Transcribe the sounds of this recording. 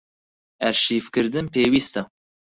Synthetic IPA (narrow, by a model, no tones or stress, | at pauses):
ɛɾʃiːfkɨɾd̪ɨnpeːwiːst̪ɐ